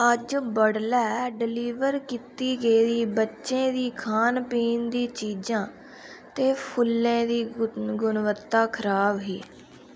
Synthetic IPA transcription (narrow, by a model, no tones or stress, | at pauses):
əd͡ʒbəɽlɛːɖɪliːʋəɾkit̪iːɡəiːd̪iːbətːʃẽːd̪iːkʰaːnpiːnd̪iːt͡ʃiːd͡ʒãː | t̪eːpʰʊlːẽːd̪iːɡʊnʋət̪ːaːkʰəɾaːbɦiː